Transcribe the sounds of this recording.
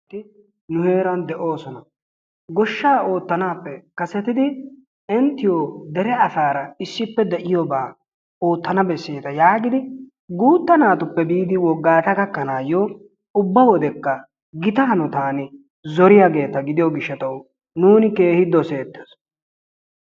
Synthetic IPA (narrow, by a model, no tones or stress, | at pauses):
t̪ːɪ | nʊhe̞ːɾɐnd̪ɛʔo̞ːsɔnɐ | ɡɔʃːaːʔo̞ːt̪ːɐnaːpːɛkɐsɛt̪ɪd̪ɪ | ɪnt̪ːɪjod̪ɛɾɛɐsaːɾɐɪsːɪpːɛd̪ɛʔɪjɔbaː | oːt̪ːɐnɐbɛsːeːt̪ɐjaːɡɪd̪ɪ | ɡuːt̪ːɐnaːt̪ʊpːɛbiːd̪ɪwɔɡːaːt̪ɐkɐkːɐnaːjɔ | ʊbːɐwɔd̪ɛkːɐ | ɡɪt̪ɐɦɐnɔt̪aːnɪ | zɔɾɪjaɡe̞ːt̪ɐɡɪd̪ɪjɔɡɪʃːɐt̪ɐw | nuːnɪke̞ːhɪd̪ːɔse̞ːt̪ːes